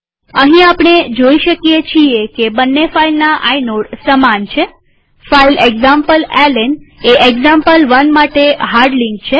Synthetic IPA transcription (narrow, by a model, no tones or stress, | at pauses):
əɦĩapɳ̃ed͡ʒoiʃəkijet͡ʃʰiekebənːefailnaʔainoɽsəmant͡ʃʰe | faileɡzampəlɛleneʔeɡzampəlʋənmaʈeɦaɾɖliŋk̚t͡ʃʰe